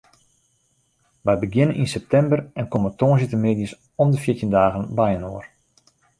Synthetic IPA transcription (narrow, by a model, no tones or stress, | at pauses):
ʋɛjbəɡjɪnənʔinsɛp̚tɛmbərɛnkomətoːnzitəmeːdis | ɔmdəfɪətəndaːɣənbɛjənoːər